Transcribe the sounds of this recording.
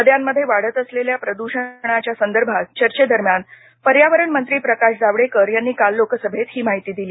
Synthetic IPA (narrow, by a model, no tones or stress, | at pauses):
əd̪jamːəd̪ʱːjeʋaɽət̪əsleljapɾəd̪uɕəɳ̃at͡ɕjasənd̪əɾbʱat͡ɕəɾt͡ɕed̪əɾmjan | pəɾjaʋəɾəɳmənt̪ɾiːpɾəkaʂd͡zaʋɽekəɾjanːiːkalːokəsəbʱet̪hiːmaɦit̪iːd̪iliː